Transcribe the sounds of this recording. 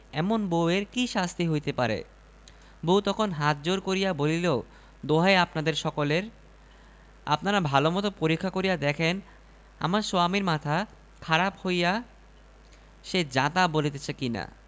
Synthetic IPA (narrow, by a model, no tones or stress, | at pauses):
ɛmonboeɾkiʃast̪ʰiɦojt̪epaɾḛ | bowt̪ɔkʰonɦat̪̚d͡ʑoɾkoɾijabolileo | d̪oɦaeapnad̪eɾʃɔkoleɾ | a̰pnaɾabʱalomɔt̪opoɾikʰːakoɾijad̪ɛkʰen | a̰maɾsoamiɾmat̪ʰa | kʰaɾaphoja | ʃed͡ʑat̪abolit̪et͡ɕʰekina̰